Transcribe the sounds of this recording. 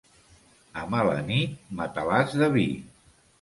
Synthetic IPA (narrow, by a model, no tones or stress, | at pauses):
əmalə̰nit̪̚mat̪əlazðəβi